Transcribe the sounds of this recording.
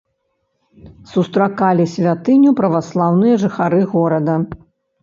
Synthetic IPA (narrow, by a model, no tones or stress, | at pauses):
sust̪ɾakalʲisʲvʲat̪ɨnʲupɾɐvaslˠawnɨjɐʐɨxaɾɨɣɔɾɐd̪ɐ